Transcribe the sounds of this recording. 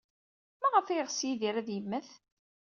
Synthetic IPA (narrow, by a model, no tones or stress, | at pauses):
mæʁəfijʁsjiðiɾæðjəmːəθ